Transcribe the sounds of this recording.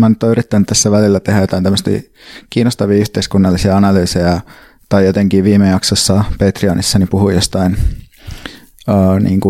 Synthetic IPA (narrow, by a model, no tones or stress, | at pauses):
mænyt̪ːoyrit̪ːænyt̪æsːæʋælilːæt̪ehæjot̪ɑint̪æmːəst̪ḭː | kiːnːost̪ɑʋiːyht̪eiskunːɑlːisiɑɑnɑlyːsejɑ | t̪ɑijot̪eŋkiːʋiːmejɑksosːɑpeːt̪riɑnisːɑnipuhuijjost̪ɑin | əːnḭːŋku